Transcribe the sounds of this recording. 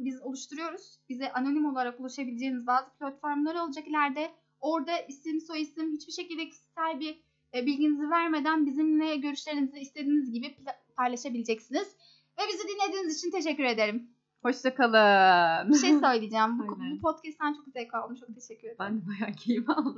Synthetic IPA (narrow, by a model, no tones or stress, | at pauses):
bizolˠuʃt̪ʰuɾujo̞ɾuz̥bizɛʔano̞nimo̞lˠaɾakulˠaʃabilʲed͡ʒe̞inizbaːzɯpʰlʲat̪fo̞ɾmlˠaɾɯo̞lˠad͡ʒaklʲæɾd̪ɛ | o̞ɾd̪aʔist̪imiso̞jisimhit͡ʃbiʃe̞cilʲd̪ɛcʰi̥ssælʲbi | bilʲɟinizivæɾme̞d̪ænbizimlʲɛɟø̞ɾyʃlʲe̞ɾiniziist̪ʰe̞d̪iːnizɟibippʰajlˠaʃabilʲed͡ʒɛcsiniz̥ | vɛbizɛd̪inlʲe̞d̪iːnizit͡ʃʰint̪ʰe̞ʃ̬ɛcːyɾe̞d̪e̞ɾim | ho̞ʃt̪ʰakalˠɯbiʃejsøjlʲˠijid͡ʒaːmbubupʰot̪cʰɛst̪ʰːænt͡ʃʰo̞k̚yzɛlʲkvalˠɯmt͡ʃʰo̞k̚t̪ʰe̞ʃɛcʰːyɾend̪ɛbajaːcʰejimaolˠ